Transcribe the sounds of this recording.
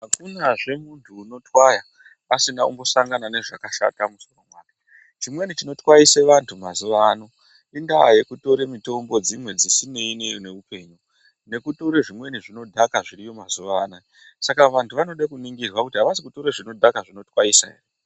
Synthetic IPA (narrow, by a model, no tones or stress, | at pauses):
ɦakunaʐe̞muntʰuːno̞twaja | asinaṵmbo̞saŋɡanane̞ʐakaʃa̰tamuso̞ro̞mwaːke̥ | t͡ʃimwe̞nit͡ʃino̞twaiseʋantʰumazuʋaːno̞ | indaje̞kuto̞ɾe̞mito̞mbo̞d͡zimwe̞d͡zisine̞inene̞upe̞ɲu | ne̞kuto̞ɾeʐimwe̞niʐino̞dʱakaʐiɾijo̞mazuʋaːna | sakaʋantʰuʋano̞ɗekuniŋɡirwakutiɦaʋasikuto̞ɾeʐino̞dʱakaʐino̞twaisa̰eri